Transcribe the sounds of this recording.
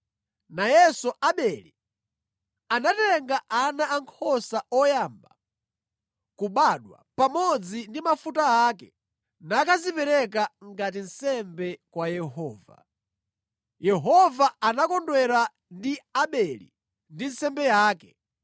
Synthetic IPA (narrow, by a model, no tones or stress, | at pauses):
najɛsɔʔaɓɛlḭ | anatɛŋɡaʔanaaŋkʰɔsaɔjamba | kuɓaɗwa̰pamɔd͡zindimafutaaːk̬ɛ | nakazipɛɾɛkaŋɡatin̩sɛmbɛkwajɛɦɔːva̰ | jɛɦɔvaanakɔndwɛɾa | ndiaɓɛlḭ | ndinsɛmbɛjaːkɛ̥